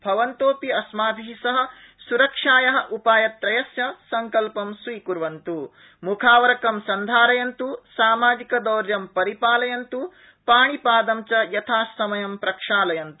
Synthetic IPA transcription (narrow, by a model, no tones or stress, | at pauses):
bʱɐʋɐnt̪oːpiɐsmaːd̪ʱiɦisɐɦɐ̆ | suɾɐkʂaːjɐɦɐ̆ʔupaːjɐt̪ɾɐjɐsjɐsɐŋkɐlpɐmsʋiːkuɾʋɐnt̪u | mukʰaːʋɐɾɐkɐmsɐnd̪ʱaːɾɐjɐnt̪usaːmaːd͡ʒ̪ikɐd̪ɐːɾjɐmpɐɾipaːlɐjɐnt̪u | paːɳipaːd̪ɐmt͡ʃɐjɐt̪ʰaːsːɐmɐjɐmpɾɐkʂaːlɐjɐnt̪u